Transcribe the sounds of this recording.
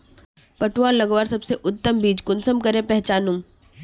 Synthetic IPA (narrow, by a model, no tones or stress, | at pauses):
pɐʈwaːlɐɡʋaːɾsɐbseʔʊt̪ːəmbiːd͡ʒkʊnsəmkɐɾẽpɛɦt͡ʃaːnũm